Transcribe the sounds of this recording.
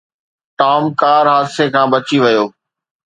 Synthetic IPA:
ʈaːmkaːɾɦaːd̪sekʰãːbɐt͡ɕiʋɐjoː

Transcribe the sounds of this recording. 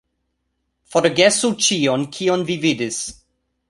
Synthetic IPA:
foɾoɡesut͡ʃionkʰionvividis

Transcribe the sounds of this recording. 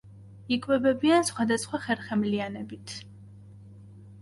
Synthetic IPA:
ikʼwɛbɛbiansχwad̪asχwaχɛɾχɛmlianɛbit̪ʰ

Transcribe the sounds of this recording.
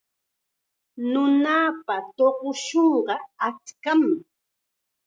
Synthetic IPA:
nʊnapat̪oɢʊʃoɴɢɑat͡ʃkam

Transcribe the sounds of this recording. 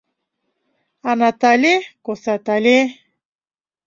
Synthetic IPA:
anat̪alekosat̪ale

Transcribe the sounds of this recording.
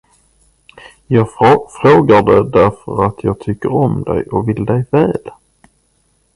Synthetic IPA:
jɑːɡfɾoːɡaɖ̪ɛd̪æɾfəɾat̪ʰjɑːɡ̚t̪ʰʏkːəɾɔmd̪ɛ̰jɔvɪld̪ɛjvɛːl

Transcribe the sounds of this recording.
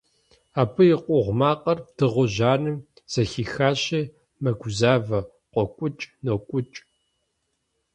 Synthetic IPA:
aːpʰɨjɪqʷʼɔʁʷmaːqʼɐrd̥ɨʁʷʊʑaːnɨm | z̥ɐxiːxaːɕeː | mɐɡʷzaːvɐ | qʷɔkʷʼʊt͡ʃʼnoːkʷʼʊt͡ʃʼ

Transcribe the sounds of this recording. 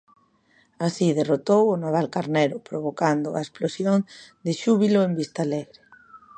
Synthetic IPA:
asiðerot̪owʊnaβalkaɾneɾʊpɾoβ̞okand̪oa̰esplosjoŋd̪eʃuβ̞iloembist̪aːleɣɾe

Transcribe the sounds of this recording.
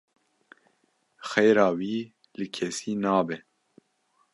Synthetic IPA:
xɛjɾɑːwiː | lɨkʰɛsiːnɑːbɛ

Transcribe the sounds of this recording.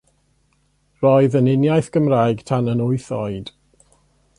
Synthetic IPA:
rɔɨðənɪnjajθɡ̥əmrajɡ̥tʰanənʊɨθɔɨd̥

